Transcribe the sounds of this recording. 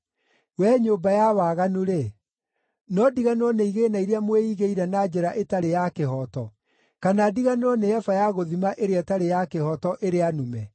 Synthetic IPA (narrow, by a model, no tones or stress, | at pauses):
wɛːɲoːbajawaɣanuɾe | nɔdiɣaneɾɔneiɣenaiɾeamweiɣeiɾɛnad͡ʑɛɾaʔetaɾejakeɦɔtɔ | kanadiɣaneɾɔneɛfajaɣoðimaʔeɾeɛtaɾejakehɔtɔʔeɾeanumɛ